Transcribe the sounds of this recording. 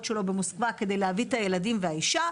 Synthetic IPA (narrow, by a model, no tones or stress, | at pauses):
tʃe̞lo̞bemoskvake̞d̪e̞jleavitaje̞ladimveaiʃa